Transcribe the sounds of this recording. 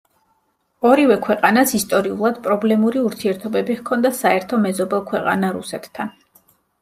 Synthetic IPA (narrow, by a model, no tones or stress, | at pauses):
ɔɾivɛkʰwɛqʼanasist̪ʼɔɾiulˠad̪̥pʼɾɔblɛmuɾiuɾt̪ʰiɛɾt̪ʰɔbɛbiʁkʰɔnd̪asaɛɾt̪ʰɔmɛzɔbɛlˠkʰwɛqʼa̰naɾṵsɛt̪ʰːan